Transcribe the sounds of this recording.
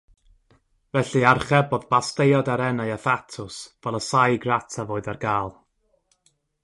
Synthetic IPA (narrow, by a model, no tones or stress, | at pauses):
vɛɬɨarχɛbɔðbastejɔdaɾɛnajaθatʰʊsvɛlˠəsajɡratʰavoːɨdarɡaːlˠ